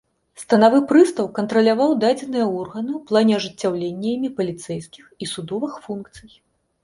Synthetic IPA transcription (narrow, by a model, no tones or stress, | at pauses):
st̪ɐnavɨpɾɨst̪ɐwkɐnt̪ɾɐlʲavawd̪ad͡zʲɛn̪ɨjɐɔrɣɐnɨwplˠanʲɛɐʐɨt͡sʲːawlʲenʲːɐimʲipɐlʲit̪sɛjskʲixisud̪ɔvɨxfunkt̪sɨj